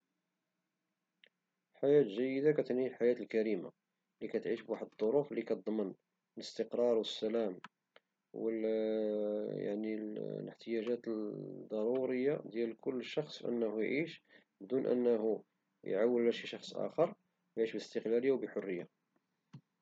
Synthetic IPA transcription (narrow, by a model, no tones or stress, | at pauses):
ħajæt̪ʒæjːəd̪akæt̪əniħajæt̪əlkæɾima̰ | likæt̪ʕiʃbwaħəd̪d̪ˤːoɾuflikæt̪d̪ˤmən | ləst̪əqɾˤɑɾˤwəsːælæm | wəl | ja̰ʕniləħt̪əjæʒæt̪d̪ˤːɑɾˤuɾəjːad̪jælkʊlːəʃɑxsˤʔə̰nːhujʕiʃ | bd̪unʔə̰nːhu | jʕawːəllæʃiʃɑxsˤʔæ̰xəɾˤ | wjʕiʃbləst̪əqlæləjːawbəħʊrːəjːa